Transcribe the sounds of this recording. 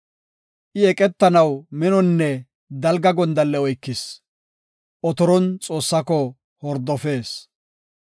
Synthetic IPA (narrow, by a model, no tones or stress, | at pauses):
ʔɪɛkʼɛt̪ːɐnɐwmɛnɔnːɛ | d̪ɐlɡɐɡɔnd̪ɐlːɛɔjkːɪs | ʔɔt̪ɔɾɔnt͡sʼo̞ːsːɐkɔ | hɔɾd̪ɔfe̞ːs